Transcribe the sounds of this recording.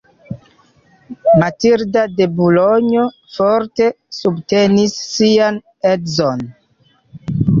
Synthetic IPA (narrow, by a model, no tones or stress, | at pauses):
matiɾdade̞buloɲo̞ | fo̞ɾte̞ | subte̞nisːian | e̞zon